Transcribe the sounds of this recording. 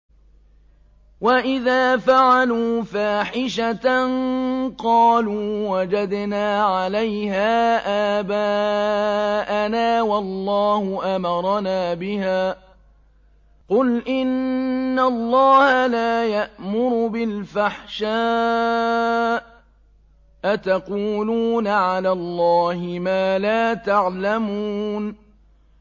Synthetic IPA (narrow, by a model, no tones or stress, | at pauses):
waʔɪðaːfaʕaluːfaːħɪʃat̪anqɑːluːwad͡ʒad̪naːʕalajhaːʔaːbaː | ʔanaːwɑlːɑːhʊʔamɑɾˤɑnaːbɪhaː | qʊlʔɪnːalˤːɑːhalaːjaʔmʊɾʊbɪlfaħʃaː | ʔat̪aquːluːnaʕalaːlˤːɑːhɪmaːlaːt̪aʕlamuːn